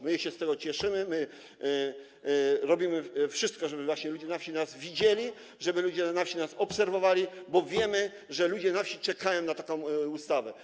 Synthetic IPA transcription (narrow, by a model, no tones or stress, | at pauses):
mɘjɛɕɛst̪ɛɡɔt͡ɕɛʂɘmɘmɘ | ɾɔbʲimɘfʂɘst̪̚kɔʐɛbɘvwaɕɲɛlud͡ʑɛnafɕinazvʲid͡ʑelʲi | ʐɛbɘlud͡ʑɛnafɕinasɔpsɛɾvɔvalʲibɔvʲjɛmɘ | ʐɛlud͡ʑɛnafɕit͡ʂɛkajɔ̃w̃nat̪akɔ̃w̃ust̪avɛ